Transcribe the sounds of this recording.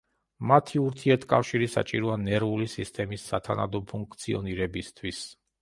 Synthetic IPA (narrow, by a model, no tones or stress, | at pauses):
mat̪ʰiuɾt̪ʰiɛɾt̪ʰkʼafʃiɾisa̰t͡ʃʼiɾɔanɛɾvulisist̪ʼɛmisːat̪ʰana̰d̪ɔpʰuŋkʰt̪sʰiɔ̰niɾɛbist̪ʰwis